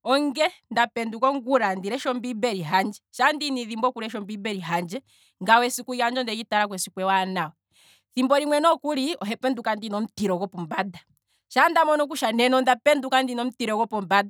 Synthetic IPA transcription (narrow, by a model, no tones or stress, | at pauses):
ɔŋɡɛndapɛndukɔŋɡuɾandiɾɛʃɔmbibɛɾiɦand͡ʒɛʃandiniðimbɔkuɾɛʃɔmbibɛɾiɦand͡ʒɛ | ŋɡawɛsikujand͡ʒɔndɛkitaɾakwɛsikwɛwanaɔ | θimbɔɾiŋwɛnɔkuɾiɔɦɛpɛndukandinɔm̩tiɾɔɡɔpɔmbada | ʃandamɔnɔk̬uʃanɛnɔndapɛndukandinɔm̩tiɾɔkɔpɔmbada